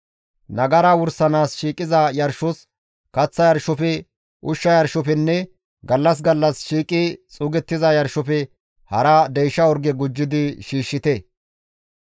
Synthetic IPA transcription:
nɐɡɐɾaːwʊɾsɐnaːsʃiːkʼɪzɐjɐɾʃɔs | kɐt͡sːɐjɐɾʃɔfɛ | ʔʊʃːɐjɐɾʃɔfɛnːɛ | ɡɐlːɐs̬ɡɐlːɐsʃiːkʼɪt͡sʼʊːɡɛt̪ːɪzɐjɐɾʃɔfɛ | hɐɾɐd̪ɛjʃɐɔɾɡɛɡʊd͡ʒːɪd̪ɪʃiːʃːɪt̪ɛ

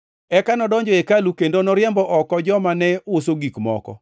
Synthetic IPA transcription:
ɛkanɔdɔɲd͡ʒɔekalukendonɔɾɪjɛmbɔʔɔkɔd͡ʒɔmanɛosoɡikmɔ̰kɔ̰

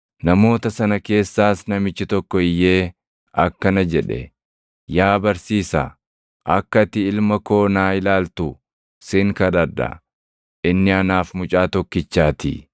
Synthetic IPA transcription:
nɐmo̞ːt̪ɐsɐnɐke̞ːsːaːsnɐmɪt͡ʃːɪt̪ɔkːɔɪjːe̞ː | ɐkːɐnɐd͡ʒɛᶑɛ̰ | jaːbɐɾsiːsɐ̰ | ʔɐkːɐt̪ɪɪlmɐko̞ːnaːɪlaːlt̪ʊ | sɪŋkɐd̪ɐɾd̪ɐ̰ | ʔɪnːɪɐnaːfmʊt͡ʃʼaːt̪ɔkːɪt͡ʃːaːt̪ɪ̰

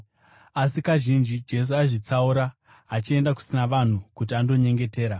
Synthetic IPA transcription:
asikaʒind͡ʒid͡ʒe̞s̬uaiʐit͡sauɾaː | t͡ʃie̞ndaku̥sinaʋan̤ukut̬iando̞ɲe̞ŋɡe̞te̞ːɾa

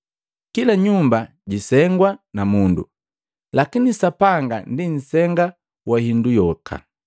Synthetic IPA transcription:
kilaɲumba | ɟisɛŋɡwanamundṵ | lakinisapaŋɡandin̩sɛŋɡa | wahindujɔkʰa̰

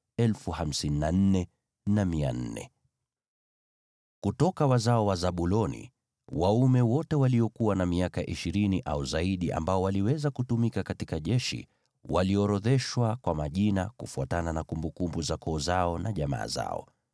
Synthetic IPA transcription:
ɛlfuham̩sininan̩nɛ | namia̰n̩nɛ̰ | kutɔkawazaɔwazaɓulɔnḭ | waumɛwɔtɛwaliɔkuwanamiakaʔiʃiɾiniʔa̰uzaiɗiʔa̰mbaɔwaliwɛzakutumikakatikaʄɛʃḭ | waliɔɾɔðɛʃwakwamaʄinakufuatananakumbukumbuzakʰɔːzaɔnaʄama̰ːza̰ɔ̰

